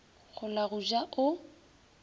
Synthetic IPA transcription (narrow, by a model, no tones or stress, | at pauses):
ɣʊlaɣuʒaʔʊ